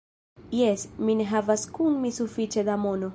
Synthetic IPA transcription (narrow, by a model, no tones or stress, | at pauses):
jɛsmineɦavaskunmisufit͡ʃed̪amono